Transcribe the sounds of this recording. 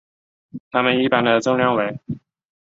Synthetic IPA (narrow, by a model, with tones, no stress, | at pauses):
t̪ʰa˥mə˨ni˥˩pa˥nd̪ə˨ʈ͡ʂʊ˥˧ŋljɑ˥˩ŋwe˧˥ɪ